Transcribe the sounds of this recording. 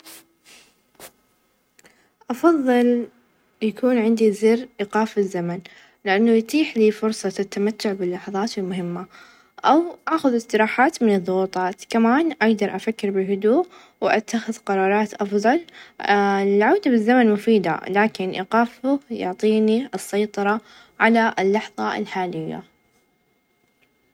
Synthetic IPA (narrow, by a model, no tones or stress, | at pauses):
ʔɑfɑðˤːɨl | jakuːnʕɪnd̪izɪɾʔiːqɑːfɪzːaman | lɪʔanːʊjt̪ˤiːħliːfʊɾsˤɑt̪ːamat̪ːʊʕbɪlːɑħɑðˤɑːt̪ɪlmʊɦɪmːa | ʔawʔaːxʊðɪst̪ɪɾɑːħaːt̪mɪnɨðˤːʊwuːt̪ˤɑːt̪kamaːnʔaɡd̪ɑɾˤʔafakːɪɾbɪlɦʊd̪uːʔ | wʔat̪ːaxɪðqɑɾˤɑːɾˤɑːt̪ʔɑfðˤɑl | lʕaːd̪abɪzːamanmʊfiːd̪a̰laːkɪnʔḭːqɑːfʊjʊ̰ʕt̪ˤiːniɨsːɑjt̪ˤɑɾˤɑ | ʕalaʔɪlːɑħðˤɑʔɪ̰lħaːlɪjːa̰